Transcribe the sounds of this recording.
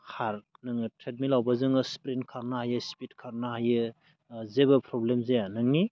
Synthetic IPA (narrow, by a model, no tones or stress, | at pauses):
kʰaɾnɯŋɯtʰɾet̚milawbazɯŋɯspɾinkʰaɾnahajɯspit̚kʰaɾnaɦajɯ | zebɯpʰɾɔblemzeanɯŋni